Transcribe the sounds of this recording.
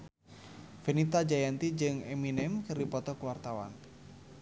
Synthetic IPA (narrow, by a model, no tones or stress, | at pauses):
fenit̪ad͡ʒajant̪id͡ʒɨŋɛminɛmkɨrdipɔt̪ɔkuwart̪awa̰n